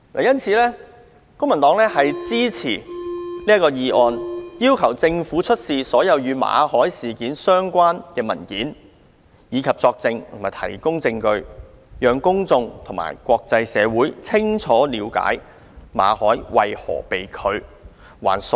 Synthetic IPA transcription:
laː˨˩jɐ˥nt͡sʰiː˨˧lɛː˥ | kʊ˥ŋmɐ˨˩nt̪ɔː˨˥ŋlɛː˥hɐ˨jt͡siː˥t͡sʰḭː˨˩niː˥ɐ˥tkːɔː˧jiː˧ʔɔː˧njiː˥wkʰɐ˨˩wt͡sɪ˧ŋfuː˨˥t͡ʃʰɵ˥t̚siː˨˧sɔː˨˥jɐ˨˧wjyː˨˧ma̰ː˨˧hɔː˨˥jsiː˨kiː˨˥nsœː˥ŋkʷaː˥nkɛː˧mɐ̰˨˩nkiː˨˥n | jiː˨˧kʰɐ˨p̚t͡sɔː˧k̚t͡sɪ˧ŋt̪ʰʊ˨˩maː˨˩jt̪ʰɐ̰˨˩jkʊ˥ŋt͡sɪ˧ŋkɵ˧ɥ | jœː˨ŋkʊ˥ŋt͡sʊ˧ŋt̪ʰʊ˨˩ŋma̰ː˨˩jkʷɔː˧k̚t͡sɐ˧jsɛː˨˧wuː˨˥jt͡sʰɪ˥ŋt͡sʰɔː˨˥liː˨˧wka̰ː˨˥j | ma̰ː˨˧hɔː˨˥jwɐ˨jhɔ̰ː˨˩pe˨jkʰɵ˨˧ɥ | wa̰ː˨˩ns

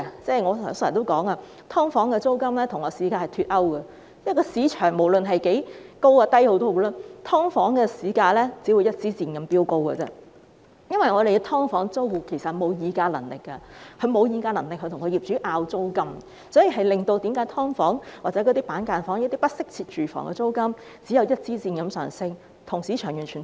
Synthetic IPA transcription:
t͡sɛː˥˩jŋɔː˨˧sːsjɐ˨˩t̪o˥wkɔː˨˥ŋaː˧ | t̪ʰɔː˥ŋfɔː˨˥ŋkɛ˧t͡so˥wkɐ˥mlɛː˥t̪ʰʊ˨˩ŋːɔː˨˧siː˨˧kaː˧hɐ˨˩t̪ʰyː˧t̚ɐ˥wɡɐ˨ | jɐ˥kɔː˧siː˨˧t͡ʃʰœː˨˩ŋmo˨˩wlɵ˨nɦɐ˨jke˨˥jko˥waː˧t̪ɐ˥jho˨˧˥wt̪o˥o˧laː˥t̪ʰɔː˥ŋfɔː˨˥ŋkɛː˧siː˨˧kaː˧lɛː˥t͡si˨˥wu˨˧jɐ˥t̚t͡siː˨˥t͡siː˨nkɐ˧mpiː˥wko˥wkɐ˨˧t͡sɛ̰˧˥ | jɐ˥nwɐ˨jŋɔː˨˧ɾe˨jkt̪ʰɔː˥ŋfɔː˨˥ŋt͡so˥wu˨˩kʰe˨˩jsɐ˨˩tmo˨˧wjiː˨˧kaː˧lɐ̰˨˩ŋlɪ̰˨˩kːɐ˧kʰɵ˨˧ɥmo˨˧wjiː˨˧kaː˧lɐ˨˩ŋlɪ˨k̚hɵ˧t̪ʰʊ˨˩ŋkʰːjiː˨˩p̚t͡ʃyː˨˥ʔaː˧wt͡so˥wkɐ˥m | sɔː˨˥ji˨ɦɐ˨jlɪ˨ŋt̪o˧wt̪i˨˥mkaː˨˥jt̪ʰɔː˥ŋfɔ̰ː˨˥ŋwa˨k̚t͡sɛ˨˥kɔː˨˧t̪iː˥paː˨˥nkaː˧nfɔː˨˥ŋjɐ˧˥t̪iː˥pɐ˥t̚sɪ˥k̚t͡sʰiː˧t̚t͡ʃyː˨˩fɔ̰ː˨˩ŋkɛ̰˧t͡so˥wkɐ˥m | t͡si˨˥jɐ˨˧wjɐ˥t̚t͡siː˥t͡siː˧nkɐ˨˧˥msœ̰ː˨˩ŋsɪ˥ŋ | t̪ʰʊ˨˩ŋsiː˨˥t͡ʃʰœː˨˩ŋjyː˨˩nt͡ʃʰy˨˩

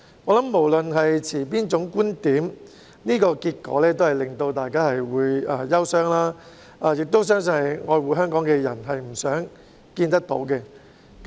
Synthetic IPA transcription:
ŋɔ˨˧˥lɐ˨˦mːo˨˩wlɵ˨nɦɐ˨jt͡sʰiː˨˩p̬iː˥nt͡sʊ˨˥ŋkuː˥nt̪iː˨˥m | niː˥kɔː˧kiː˧t̚kɔ̰ː˨˥lɛː˥t̪o˥whɐ˨jlɪ˨ŋt̪o˧wt̪aː˨˩jkaː˥hɐ˨jwuː˨˧jaː˧jɐ˥wsœː˥ŋlaː˥ | aː˨˧jɪ˨k̚t̪o˥wsœː˥ŋs̬ɵ˧nhɐ˨jŋɔː˨˧jwuː˨˥ɦœː˥ŋkɔː˨˥ŋkɛː˧jɐ̰˨˩nɦɐ˨jm̩˨˩sœː˨˥ŋ | kiː˧nt̪ɐ˥k̚t̪o̰˨˥wkɛ˧

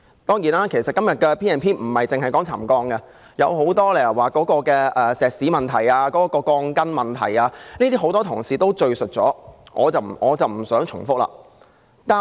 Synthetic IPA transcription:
t̪ɔː˥ŋjiː˨˩naː˥kʰe˨˩sɐ˨t̚kɐ˥mjɐ˨t̚kɛː˧pʰiː˥ɛː˨˧npʰiː˥m̩˨˩hɐ˨jt͡sɪ˨˧ŋhɐ˨jkɔː˨˥ŋt͡sʰa̰ː˨˩mkɔː˧ŋɡɐ˧ | jɐ˨˧who˨˥wt̪ɔː˥lɛ˨jɐ˨˩waː˨˩kɔː˨˥kɔː˧kɛː˧ʔɛː˨sɛː˨k̚siː˨˥mɐ˨nt̪ʰɐ˨˩jaː˧kɔː˨˥kɔː˧kɔː˧ŋkɐ˥nmɐ˨nt̪ʰɐ̰˨˩jaː˧niː˥t̪iː˥ɦo˨˥wt̪ɔː˥t̪ʰʊ˨˩ŋsiː˨t̪o˥wt͡ʃɵ˧ɥsɵ˨t̚t͡sɔː˨˥ŋʔɔ̰ː˨˧t͡sɐ˨˩wʔɔː˨˧t͡sɐ˨wm̩˨˩sœː˨˥ŋt͡ʃʰʊ̰˨˩ŋfʊ˥k̚la̰ː˨˩ | t̪aː˨

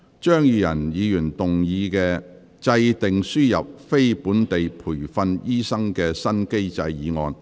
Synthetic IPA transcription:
t͡ʃœː˥ŋjyː˨˧jɐ˨˩njiː˨˧jy˨˩nt̪ʊ˨ŋjiː˨˧kɛː˧ | t͡sɐ˧jt̪ɪ˨ŋsyː˥jɐ˨p̚fe˥jpuː˨˥nt̪e˨jpʰuː˨˩jfɐ˧njiː˥sɐ˥ŋkɛː˧sɐ˥nke˥jt͡sɐ˧jjiː˨˧ŋɔ̰ː˨˧n

